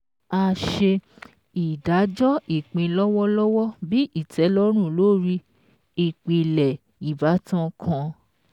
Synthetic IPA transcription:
a˧ʃe˧ | i˨da˨˦d͡ʒɔ˦i˦˨k͡pĩ˧lɔ˦wɔ˦lɔ˦wɔ˦bi˦ʔi˦˨tʰɛ˨˦lɔ˦ɾ̃ũ˦˨lo˨˦ɾi˧ | i˨k͡pi˨lɛ˨ | i˨ba˨˦tã˦kʰã˧

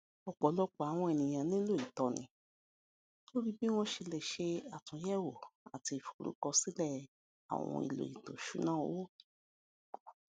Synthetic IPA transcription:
ɔ˨k͡pɔ˨˦lɔ˦k͡pa˨a˨w̃ɔ̃˧ɛ˨nĩ˨j̃ã˧nĩ˦lo˦˨i˨tɔ˨nḭ̃˧ | to˦ɾi˦bi˦w̃ɔ̃˦ʃe˧lɛ˨ʃe˧a˨tũ˨˦jɛ˦wo˨a̰˨ti˧i˨fu̥˨ɾṵ˨˦kɔ˧si˦lɛ˦˨ | a̰˨w̃ɔ̰̃˧ḭ˧lo̰˨i˨to˨ʃṵ˨˦nã˦˨o˦o˦

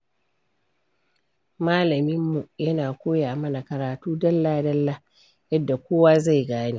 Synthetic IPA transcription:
maː˦lɐ˨mɪ˦mːu˨jɐ˦naː˨kʷoː˦jaː˨mɐ˦na˨kɐ˨ɾaː˨tuː˦dɐ˦lːaː˦dɐ˦lːa˦ | jɐ˦dːa˨kʷoː˦waː˦za˦˨jɡaː˦neː˦

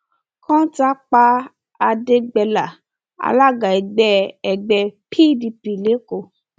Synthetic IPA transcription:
kã˦ta˦k͡pa˧ | a˧de˧ɡ͡bɛ˧la˨ | a̰˧la˦ɡa˨ɛ˨ɡ͡bɛ˧˦ɛ˨ɡ͡bɛ˧pʰi˦˨di˧pi˨le˨˦ko˦˧˨

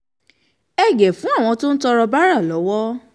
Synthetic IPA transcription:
ɛ˨ɡɛ˨fũ˨˦a˦˨w̃ɔ̃˧to˦n̩˦tɔ˧ɾɔ˧ba˦ɾa˦˨lɔ˨˦wɔ˦

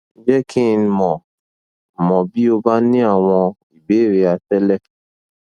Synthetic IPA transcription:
d͡ʒɛ˦kʰĩ˦˧˨n˧mɔ̃˨ | mɔ̃˨bi˦o˧ba˦nĩ˦a˦˨w̃ɔ̃˧ | i˨be˨˦˨ɾe˧a˧tɛ˦lɛ˦˨

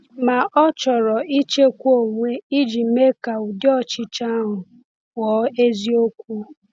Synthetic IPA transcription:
ma˨ʔɔ˦t͡ʃɔ˨ɾɔ˨i˦t͡ʃe˦kʷo˦˨ŋʷe˦i˦d͡ʒi˨m̩˨˦me˦ka˨u˨djɔ˦t͡ʃɪ˦t͡ʃa˦a˦ɦʊ˨ | wɔ˨˦e˦zi˦o˦kʷu˦

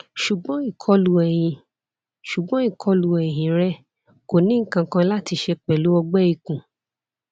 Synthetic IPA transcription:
ʃu˨ɡ͡bɔ̃˨˦i˦˨kʰɔ˧lu˨ɛ˨j̃ĩ˨ | ʃu˨ɡ͡bɔ̃˨˦i˦˨kʰɔ˧lu˨ɛ˨jĩ˨ɾɛ˦ | ko˨nĩ˦kã˧kã˧la˦ti˧ʃɛ˧k͡pɛ˨lu˨˦ɔ˧ɡ͡bɛ˦i˨˧kũ˨

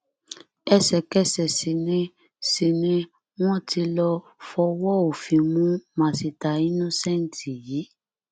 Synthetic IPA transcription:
ɛ˦˨sɛ˨kɛ˦˨sɛ˨si˧nĩ˦ | si˧nĩ˦ | w̃ɔ̃˦ti˧lɔ˧ | fɔ˧wɔ˦o˨fĩ˨˧mũ˦mã˨si˧ta˨i˦nũ˦sɛ˦˨n̩˨tʰi˨ji˨˦

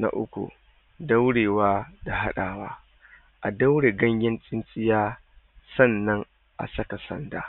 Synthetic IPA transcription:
na̰˦ʔʊ˦kʷṵ˨ | dɐ˦wɽeː˨waː˦da˨ɦa˦ɗaː˨waː˦ | ʔa˨da˦wɽeː˨ɡɐ˦ɲjʲɪ˦nt͡sʼɪ˦nt͡sʼɪ˦jaː˦ | sɐ˦˨nːɐ˦ŋ | ʔa̰˨sɐ˦ka˨sɐ̰˦nda̰ː˨

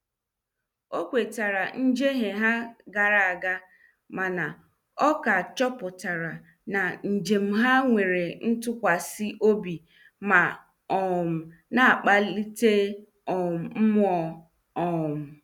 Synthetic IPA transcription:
o˦kʷe˨ta˨ɾa˨n̩˦d͡ʒe˦ɦe˨ɦa˦ɡa˨ɾa˨a˨ɡa˦ | ma˨na˨ | ɔ˦ka˨t͡ʃɔ˦pʊ˨ta˨ɾa˨ | na˨n̩˨d͡ʒe˨m̩˦ɦa˦ŋʷe˨ɾe˨n̩˦tʊ˦kʷa˨si˦ʔo˦bi˨ | ma˨ | ɔ˨m̩˨na˨a˨k͡pa˦li˦te˦ | ɔ˨m̩˨m̩˦m˦ɔ˦ | ɔ˨m̩˨

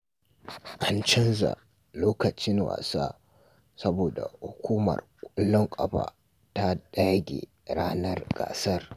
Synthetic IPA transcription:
ʔa˨nt͡ʃɐ˦nza̰˨ | loː˦kɐ˨t͡ʃɪ˦ŋwa̰ː˨saː˦ | sɐ˦boː˨da˨hʊ˨kʷuː˦mɐ̰˨rkʷʼɐ˦lːɔ˦ŋkʷʼɐ˨ɸa̰ː˨ | ta˦ɗa˦jɡʲḛ˨ | ɾaː˦nɐ˦rɡ̥a̰ː˨sɐ˦r

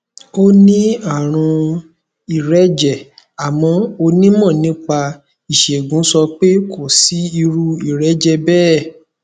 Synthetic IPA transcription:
o˦nĩ˦a˦˨ɾ̃ũ˧ | i˨ɾɛ˨˦d͡ʒɛ˨a˨mɔ̃˧o˧nĩ˦mɔ̃˦˨nĩ˨˦k͡pa˧ | i˨ʃe˨ɡũ˨˦sɔ˧k͡pe˦kʰo˦˨si˨˦i˧ɾu˧˦i˦˨ɾɛ˨˦d͡ʒɛ˧bɛː˦˨

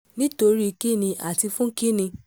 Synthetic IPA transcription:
nĩ˦to˧ɾi˦˧ki˦˨nĩ˧ʔa̰˨ti˧fũ˦ki˦nĩ˧

